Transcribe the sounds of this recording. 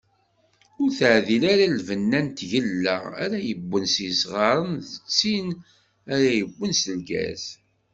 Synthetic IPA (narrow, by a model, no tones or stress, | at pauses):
ʊɾθəʕðilaɾalvənːænt̪ʝəlːə̰ʁæ̰ɾæjəbʷːənsisʁɑɾˤənðət͡sːin | æɾæjəbːənsəlɡæ̰s